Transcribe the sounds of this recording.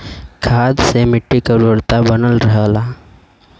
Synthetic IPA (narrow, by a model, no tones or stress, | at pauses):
kʰaːd̪semɪʈːikəɾuɾt̪abənəlɾəɦəla